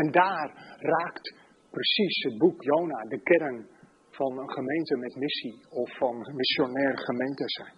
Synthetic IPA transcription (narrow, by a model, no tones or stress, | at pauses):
ɛndaːrraːkt | prəsisɦəd̚bukjownadəkɛrən | fɑnəχəmejntəmɛtmɪsiɔfːɔnmɪsjonɛːrχəmejntəsɛjn